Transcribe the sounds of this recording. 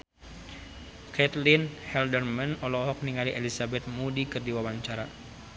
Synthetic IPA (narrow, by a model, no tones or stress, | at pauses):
kɛt̪linhɛldərmanɔlɔɦɔk̚niŋaliʔelisabɛt̪̚mudikɨrdiwawaɲt͡ʃaɾa